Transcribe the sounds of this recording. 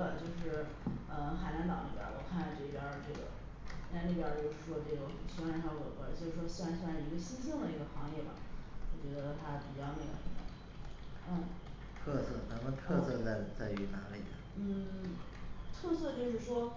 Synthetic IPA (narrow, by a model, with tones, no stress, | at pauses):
ə˩t͡ɕjo˥˧ʊʂɻ̩˥˩ | ə˧xa˨˩ɪna˧˥nt̪ɑ˨˩ŋli˥˩pʲjɑ̰˧˥wɔ̰˨˩kʰa˥˧n˥˧˩ʈ͡ʂɤ˥˩i˥˩pjɑ˧˥ʈ͡ʂɤ˥˩ɡə̰˩˥ | a˥˧˥li˥˩pjɑ˧˥t͡ɕjo˥˧ʊʂɻ̩˥˩ʂwɔ˥ʈ͡ʂe˥˩jo˧˩ʊ˩ɕi˧˥wna˧˥n˥jɑ˧˥kwɔ̰˨˩kə̰˧˥˦t͡ɕjo˥˧ʊʂɻ̩˥˩ʂwɔ˥ɕi˧˥wa˧˥nɕa˥˩ɻ̩˥˩i˧˥ɡə˧ɕi˥nt͡ɕi˥ŋd̪ə˨i˧˥ɡə˧xɑ˧˥ŋjɛ˥˩bɐ̰˩wɔ˨˩t͡ɕɥɛ˧˥d̪ə˧ə˧t̪ʰa˥pi˨˩t͡ɕjɑ˥˧ʊnə˥˩ɡə̰˨˩ə˧˥˩d̪ə̰˧˩ | n̩˥˩ | t̪ʰɤ˥˧sɤ˥˩na˧˥mə˧t̪ʰɤ˥˧sɤ˥˧t͡sa˥˧˩ɪt͡sa˥˩ɪy˧˥na˧˥lḭ˨˩d̪ə˧n̩˥˩ | t̪ʰɤ˥˧sɤ˥˧t͡ɕjo˥˧ʊʂ̬ɻ̩˥˩ʂwɔ˥